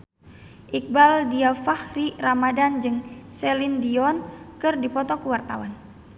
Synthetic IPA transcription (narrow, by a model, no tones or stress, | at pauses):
ʔik̚baldiafahriramadand͡ʒɨŋsɛlindiɔnkɨrdipɔt̪ɔkəwart̪a̰wan